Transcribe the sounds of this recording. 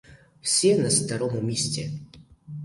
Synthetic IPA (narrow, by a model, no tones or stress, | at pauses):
fsʲɛnɐst̪ɐɾɔmʊmʲesʲt͡sʲɛ